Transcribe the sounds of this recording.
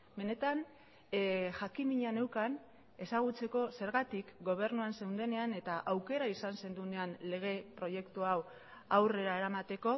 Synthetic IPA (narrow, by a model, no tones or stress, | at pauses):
be̞ne̞t̪an | ʝakimiɲane̞wkan | e̞saɣ̞ut͡se̞ko̞se̞ɾɣat̪ikɡo̞β̞e̞ɾnuanse̞wnd̪e̞ne̞ane̞t̪aʔawke̞ɾaisanse̞nd̪une̞anle̞ɣ̞e̞pɾo̞je̞kt̪uaw | awre̞ɾae̞ɾamat̪e̞ko̞